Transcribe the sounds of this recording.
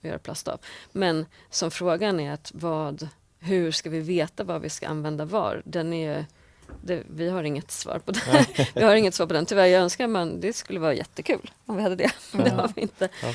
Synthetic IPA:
ɪhɑ̰ɾpʰlast̪a̰ːvmɛnsɔmfɾoːɡanæɾat̪vɑːd̪ | ɦɵ̟ʂkavɪveːt̪avɑːvɪ̰ska̰ʔa̰nvɛnd̪avɑ̰ːɾd̪ɛnæɾjɵ | d̪ɛvɪɦaɾɪŋːət̪svɑ̰ːɾpʰɔd̪ɛvɪhaɾɪŋːət̪svɑːpɔd̪ɛnt̪ʰʏvæɾjɑːɡœnskaɾmand̪ɛskɵlːəvɑːɾajʔɛ̰t̪ːəkʰʉ̟̰ːlɔmvɪhad̪ːəd̪ɛ̰mnd̪ɛaɾvɪɪnt̪ə

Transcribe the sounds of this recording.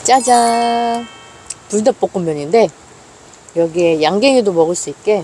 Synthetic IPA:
t͡ɕ͈ad͡ʑa | tuɭdap͈ok͈ɯmjʌɲinde̞ | jʌɡiejaŋɡeŋidomʌɡɯɭs͈uik͈e̞

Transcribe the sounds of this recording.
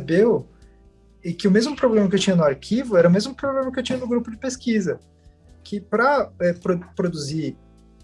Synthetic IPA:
bew | ɪkɪʊmezmʊpɾoblẽmɐk̬ɪewt͡ʃĩɲɐnʊaɾkʰivʊɛɾɐʊmezmʊpɾoblẽmɐkɪewt͡ʃĩɲɐnʊɡɾupʊd͡ʒɪpeskizɐ | kʰɪpɾɐɛpɾopɾod̪uziɾ

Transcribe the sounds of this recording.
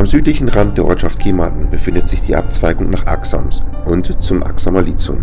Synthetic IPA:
ʔamzyːtlɪçn̩ʁant̚d̥eːɐʔɔɐtʃaft̚kʰeːmatn̩bəfɪndətz̥ɪçd̥iːʔa̰p̚t͡sv̥aɪɡʊŋnaːχʔa̰ksa̰msʔʊntt͡sʊmʔa̰ksamaliːt͡sʊ̰m

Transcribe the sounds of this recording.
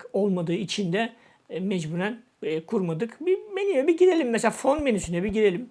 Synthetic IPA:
ko̞lˠmad̪ɯːit͡ʃʰind̪ɛ | mɛd͡ʒbuɾæn | kʰuɾmad̪ɯkbimenynɛbiɟiɾe̞lʲimːɛseaːfo̞nmenysynɛbiɟiɾelʲim

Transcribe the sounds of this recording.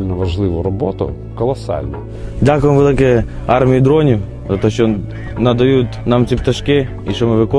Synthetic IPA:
lʲnɔʋɐʒlˠɪʋʊɾɔbɔt̪ʊ̰ | kɔlˠɐsɑ̰lʲnɐ | dʲakʊjɪmʋelˠɪkɛɑrmʲijid̪ɾɔnʲʊ | zɐt̪ɔʃt͡ʃɔ | nɐd̪ɐjut̪ʲnɑmt͡sʲipt̪ɐʃkɪ | iʃɔmɪʋɪkɔ

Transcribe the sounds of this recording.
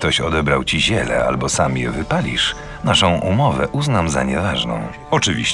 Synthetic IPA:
t̪ɔɕɔd̪ɛbɾawt͡ɕiʑɛlɛ̰a̰lbɔsamjɛvɘpalʲiʂ | naʂɔ̃w̃ʔumɔvɛʔuznamza̰ɲɛvaʐnɔ̰̃w̃ | ɔt͡ʂɘvʲiɕ

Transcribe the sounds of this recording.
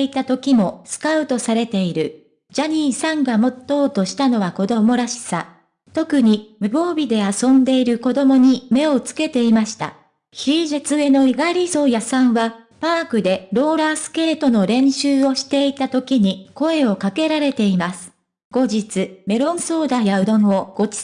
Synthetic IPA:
it̪at̪o̞kʲimo̞sɨ̥kaɯ̟t̪o̞saɾe̞t̪e̞iɾɯ̟ | d͡ʑaɲ̟iːsãŋɡamo̞t̪ːo̞ːt̪o̞ɕi̥t̪ano̞βako̞d̪o̞mo̞ɾaɕi̥sa | t̪o̞kɯ̟ɲ̟imɯ̟bo̞ːbʲid̪e̞asõ̞nd̪e̞iɾɯ̟ko̞d̪o̞mo̞ɲ̟ime̞o̞t͡sɨ̥ke̞t̪e̞imaɕi̥t̪a̰ | çiːʑɨt͡sɨe̞no̞iɡaɾʲiso̞ːjasãɰ̃βa | paːkɯ̟d̪e̞ɾo̞ːɾaːsɨ̥ke̞ːt̪o̞no̞ɾẽ̞ɰ̃ɕɨːo̞ɕi̥t̪e̞it̪at̪o̞kʲiɲ̟iko̞e̞o̞kake̞ɾaɾe̞t̪e̞imasɨ̥ | ɡ̥o̞ʑit͡sɨme̞ɾõ̞ɰ̃so̞ːd̪ajaɯ̟d̪õ̞ɰ̃o̞ɡ̥o̞̥

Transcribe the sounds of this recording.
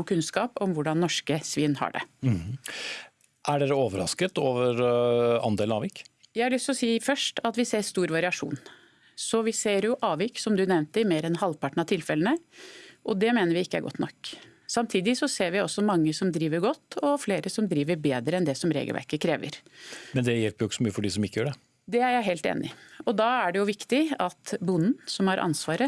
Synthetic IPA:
kʰʉnskɑːpɔmʋʊɖɑnːɔʂkəsʋiːnhɑ̰ɖɛ̰ | ʔæɖeːɾəoːʋəɾɑ̰skət̪oːʋəɾɑ̰nd̪eːlnɑ̰ːʋɪkjæɪhɑɾlɭʏst̪lɔsiːfœʂʈɑt̪ʋɪseːɾst̪uːɾʋɑɾɪɑʂṵːn | sɔʋɪseːɾjʊʔɑːʋɪksɔmd̪ʉnɛʋnt̪ɪmeːɾɛnhɑlpʰɑʈɳ̩ɑt̪ʰɪlfɛlənəʔɔd̪ɛmeːnəɾʋɪɪkːəæ̰ɾɡɔ̰t̪ːnɔ̰ksɑmt̪ʰiːd̪ɪsɔseːɾʋɪɔsːɔmɑŋːəsɔmd̪ɾiːʋəɾɡɔt̪ːɔfleːɾəsɔmd̪ɾiːʋəɾbeːd̪ɾəɛnd̪ɛsɔmɾḛːɡəlʋæ̰ɾkəkʰɾeːʋə̰ɾmɛnd̪ɛjɛlpəɾjʊɪkːəsɔmyːəfɔɖisɔmɪkːəjøːɖɛ | d̪ɛæɾjæɪɦeːlt̪ḛːnʔɪɔd̪ɑæɖɛjʊʋɪkt̪ɪɑt̪bʊnn̩sɔmhɑɾʔɑ̰nsʋɑːɾə

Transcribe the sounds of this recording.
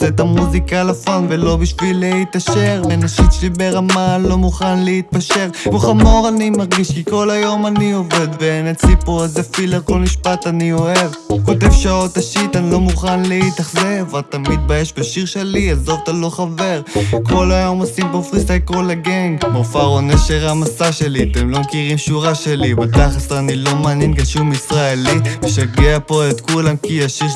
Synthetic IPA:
set̪amuzikalafanvelo̞biʃvileit̪aʃe̞ʁbenaʃit̪ʃibeʁamalo̞muχanleit̪̚paʃe̞ʁuχamo̞ʁanimaʁɡiʃkiko̞lajo̞manio̞ve̞d̪venet͡sipozefileʁko̞lmiʃpat̪anio̞e̞vko̞t̪evʃaot̪aʃit̪anilo̞muχanlit̪aχzevalt̪amid̪̚bajeʃbeʃiʁʃe̞liazovt̪alo̞χave̞ʁkʰo̞lajo̞mosimpofʁistakolaɡeŋɡbofaʁoneʃeʁamasaʃe̞liat̪emlo̞mekiʁimʃuʁaʃe̞libat̪aχaseʁanilo̞maːnjenkaʃumisʁaeliveʃaɡeapo̞et̪kulamkiaʃiʁ

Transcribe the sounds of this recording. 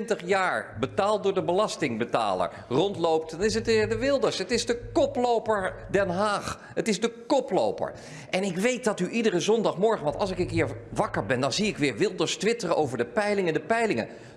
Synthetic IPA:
ntəχjaːɹbətaːlˠt̚dʊːɹdəbəlɑstɪŋbəta̰ːlə̰ɹ | rɔntlowp̚tdɑnɪs̬ətɪːɹdəʋɪlˠdəɹsɦətɪzdəkɔplowpəɹdɛnɦaːχ | ɦətɪzdəkɔplo̰wpə̰ɹ | ʔɛnɪkʋejt̚dɑtyʔidərəzɔndɑχmɔɹχənʋɑntɑ̰lˠsɪkəŋkiːɹʋɑkəɹbɛndɑnziɪkʋɪːɹʋɪlˠdəɹstʋɪtərəʔowvəɹdəpɛjlɪŋəndəpɛjlɪŋə̰

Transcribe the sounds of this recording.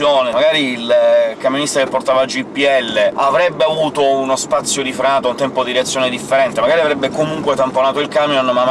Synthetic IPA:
joːnemaɡaːɾiːlkamjonist̪akepːort̪aːvad͡ʒipːiɛlːeavɾɛbːeavuːt̪ounospat̪sːjod̪ifɾaːt̪oaunt̪ɛmpod̪iɾeɛat̪sːjoːned̪ifːeɾɛnt̪emaɡaːɾiavɾɛbːekomuŋkwet̪amponaːt̪oilkamjonma

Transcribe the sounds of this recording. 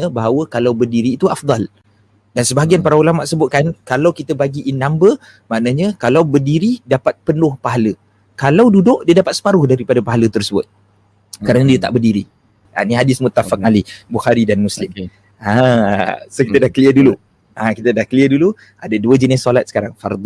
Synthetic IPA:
əbaɦawəkalawbərdiɾiːt̪uafd̪ˤɑl | dansəbaɦaɡianpaɾaulamaʔ̪səbʊt̪̚kankalawkit̪əbaɡiʔːnːambə | maʔnəɲəkalawbərdiɾidapat̪̚pənʊhpaɦalə | kalawdudʊʔdiədapat̪̚sə̥paɾʊhdaɾipadapaɦalət̪ərsəbʊ̰t̪̚ | əkaɾaŋdiət̪a̰ʔbərdiɾi | a̰niɦadɪsmʊt̪afak̚alibuxaɾidanmuslɪm | a | sokit̪ədahkəliədulu | akit̪ədahkəliədulu | ʔadəduəd͡ʒənɪsːolat̪səkaɾaŋfa̰rd̪

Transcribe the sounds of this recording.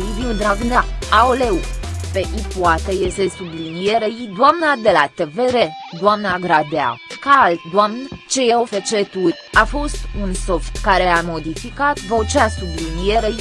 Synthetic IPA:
iviud̪ɾavnaaoleupeʔipoat̪ejesesublinijeɾejid̪oamnad̪e̞lat̪e̞ve̞ɾed̪oamnaɡɾad̪ea̰kaːlt̪d̪oamnt͡ʃe̞jeofet͡ʃet̪ut̪ʲ | afo̞st̪unso̞ft̪kaɾe̞amo̞d̪ifikat̪vo̞t͡ʃasublinijeɾei

